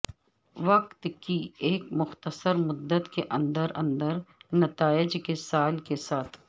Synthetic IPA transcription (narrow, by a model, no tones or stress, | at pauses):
ʋɐqt̪kieːkmʊxt̪əsəɾmʊd̪ːət̪keʔɐ̃nd̪əɾɐ̃nd̪əɾnɐt̪aːɪd͡ʒkesaːlkesaːt̪ʰ